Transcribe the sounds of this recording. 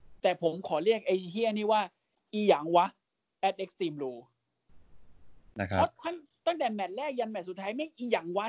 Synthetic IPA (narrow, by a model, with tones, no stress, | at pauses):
t̪ɛː˨˩pʰo˩˦mkʰɔː˨˩˦ɾi˥˩ək̚ʔa˧jt̪ʰiː˧˥˩ə˨niː˥˩waː˥˩ | ʔiː˧˩jaː˩˦ŋwa˦˥ | ʔɛ˦˥t̪̚ʔe˦˥k̚st̪iː˧mluː˧ | na̰˦˧kʰɔ˦˥kʰa˧˥˩n | t̪a˥˩ŋt̪ɛ˨˩mɛ˨˩t̪̚ɾɛː˥˩k̚ja˧nmɛ˨˩su˨˩t̪ʰːaː˦˥jma˥˩jʔiː˧˩jaː˨˩˦ŋwa˦˥